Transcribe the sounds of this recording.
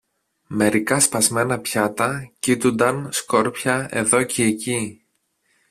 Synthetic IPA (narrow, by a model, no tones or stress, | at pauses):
me̞ɾikɐspɐzme̞nɐpçɐt̪ɐcit̪und̪ɐnsko̞ɾpçɐe̞̰ðo̞ceːci